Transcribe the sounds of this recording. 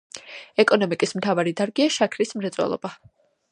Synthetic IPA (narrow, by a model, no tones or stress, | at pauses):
ɛkʼɔnɔmikʼismt̪ʰavaɾid̪aɾɡiaʃakʰɾismɾɛt̪sʼwɛ̰lˠɔ̰ba